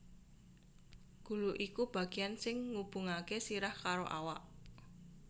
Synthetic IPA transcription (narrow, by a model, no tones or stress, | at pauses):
ɡ̥ṳluʔikub̥ä̤ɡ̥ijansɪŋːub̥ṳŋakesiɾahkaɾoʔa̰waʔ